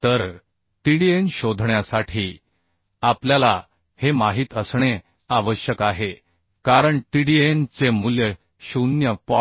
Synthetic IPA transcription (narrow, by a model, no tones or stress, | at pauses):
t̪əɾ | ʈiɽienɕod̪ʱɳjasaʈʰiː | apljala | hemaɦiːt̪əsɳe | aʋəɕjəkaɦe | kaɾəɳʈiɽient͡semuljə | ɕunjəpɔ